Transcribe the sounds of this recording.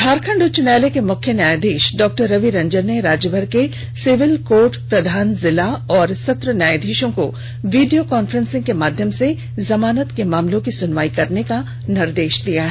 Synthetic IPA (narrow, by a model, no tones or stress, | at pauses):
bʱaːɾkʰə̃ɳɖʊt͡ʃʊnɛːlekemʊkʰjənjaːjd̪ʱiːʃɖɔːk̚ʈəɾːɐʋiɾɐ̃ɲd͡ʒəɾneɾaːd͡ʒəbʱəɾke | sɪʋɪlkoːɾʈpɾɐd̪ʱaːnzɪlaɔːɾsɐt̪ɾənjaːjd̪ʱeːʃõko̰ | ʋiːɖijokɔːnfəɾə̃nsɪ̃ŋɡkemaːd̪ʱjəmse | zɐmaːnət̪kemaːmlõkisʊnʋaːikɐɾneka | nɪɾd̪eːʃd̪ijaɦɛ